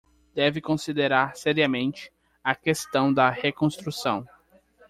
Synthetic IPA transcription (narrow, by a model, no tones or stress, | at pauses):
d̪̥ɛvɪkõsid̪eɾaɾsɛɾiɐmẽnt͡ʃɪ̥ | ɐkest̪ɐ̃w̃d̪ɐhekõst̪ɾusɐ̃w̃